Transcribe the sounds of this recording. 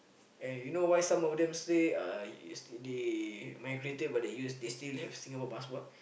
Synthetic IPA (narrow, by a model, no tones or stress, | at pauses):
ɛ̃njunowajsãmɔfdɛ̃mseaṵsdemajɡɹetəbadejusdestilhɛfsĩŋapɔbaswɔt̚